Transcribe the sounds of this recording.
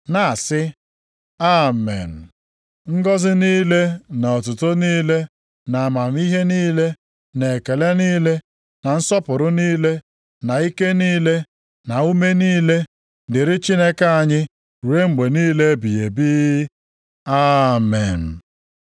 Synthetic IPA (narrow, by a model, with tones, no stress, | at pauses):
na˨sɪ˦ | a˦mḛ˨n̩˨ | ŋ̩˦ɡɔ˦zɪ˦niː˦le˦na˨ɔ˨t̬ʊ˨to˦niː˦le˦ | na˨a˨ma˨m̩˦i˦ɦe˦niː˦le˦ | ne˨e˨ke˨le˦niː˦le˦ | na˨n̩˦sɔ˦pʊ˨ɾʊ˦niː˦le˦ | na˨i˦ke˦niː˦le˦ | na˨u˦me˦niː˦le˦ | dɪ˨ɾɪ˦t͡ʃi˦ne˦ka˦a˦˨ɲɪ˦ | ɾu˨˦e˦ŋ͡m̩˨ɡ͡be˨niː˦le˦bi˨je˨biː˦ | a˦me˨n̩˨